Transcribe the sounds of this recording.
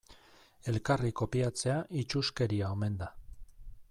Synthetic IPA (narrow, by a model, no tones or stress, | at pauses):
e̞lkariko̞piat͡se̞aʔit͡ʃuske̞ɾiaome̞nd̪a